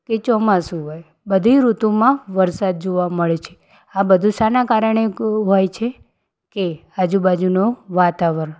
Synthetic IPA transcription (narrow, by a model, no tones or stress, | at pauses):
ket͡ʃɔmasũɦoj | bəd̪ʱiɾut̪umãʋəɾsad̪̚d͡ʒoʋaməɭet͡ʃʰe | abəd̪ʱusanakaɾəɳeɦojt͡ʃʰe | kead͡ʒubad͡ʒunoʋat̪aʋəɾ